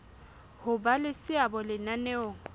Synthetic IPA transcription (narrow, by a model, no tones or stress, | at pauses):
hʊbalɪsɪabɔlɪnaneoŋ̩